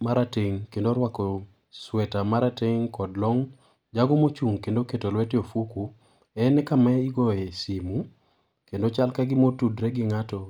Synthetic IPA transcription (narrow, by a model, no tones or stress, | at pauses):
maɾateŋkendoɾwakɔ | swɛtamaɾateŋkɔdlɔŋ | d͡ʒaɡɔmot͡ʃuŋkendoketolwɛteofuku | ɛnɛkamɛiɡoesimu | kendot͡ʃalkaɡɪmotudɾɛɡɪŋatɔ